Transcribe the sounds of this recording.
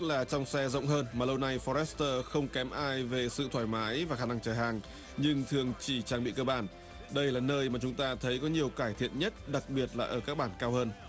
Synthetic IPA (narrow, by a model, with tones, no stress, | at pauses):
k̚laː˨˩t͡ɕɔ˧wŋ͡msɛ˧zə̰˧˨wŋ͡mɦəː˧nmaː˨˩lə˧wna˧jfɔ˧ɾɛ˦˥st̪əː˧xə˧wŋ͡mkɛ˨˦mʔaː˧jve˨˩sɨ̰˧˨t̪ʰwaː˧˩jmaː˨˦jvaː˨˩xaː˧˩na˧ŋt͡ɕəː˧˩ɦaː˨˩ŋ | ɲɨ˧ŋt̪ʰɨ˨˩əŋt͡ɕi˧˩t͡ɕaː˧ŋɓḭ˧˨kəː˧ɓaː˧˩n | ɗə˧jlaː˨˩nəː˧jmaː˨˩t͡ɕʊ˨˦ŋ͡mt̪aː˧t̪ʰə˨˦jkɔ˨˦ɲi˨˩əwkaː˧˩jt̪ʰḭ˧˨ənɲə˦˥t̚ɗa˨˩k̚ɓi˨˩ət̚laː˨˩ʔəː˧˩kaː˦˥k̚ɓaː˧˩nkaː˧whəː˧n